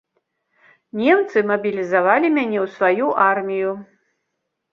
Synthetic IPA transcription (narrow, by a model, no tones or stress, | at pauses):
nʲɛmt̪sɨmɐbʲilʲizavalʲimʲanʲɛwsvajuʔarmʲiju